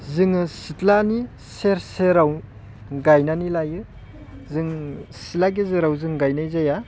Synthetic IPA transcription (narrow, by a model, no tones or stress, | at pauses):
zɯŋɯsitlani | seɾseɾaw | ɡajnanilajɯ | zɯŋsitlaɡizɯɾawzɯŋɡajnajzaja